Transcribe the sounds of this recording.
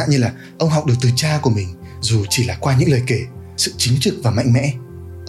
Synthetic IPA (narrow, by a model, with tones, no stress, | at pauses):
a̰ː˧˨nɲɨ˧laː˨˩ | ʔə˧wŋ͡mɦɔ˨˩wk͡p̚ɗɨ˨˩ək̚t̪ɨ˨˩t͡ɕaː˧ku˧˩əmï˨˩ŋ̟ | zu˨˩t͡ɕi˧˩laː˨˩kwaː˧ɲɨ̰˧˥ŋləː˨˩jke˧˩ | sɨ̰˧˨t͡ɕï˨˦ŋ̟t͡ɕɨ˨˩k̚vaː˨˩ma̰˧˨jŋmɛ̰˧˥